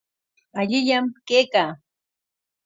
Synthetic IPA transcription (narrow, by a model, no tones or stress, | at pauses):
aʎɪʎamkeːkaː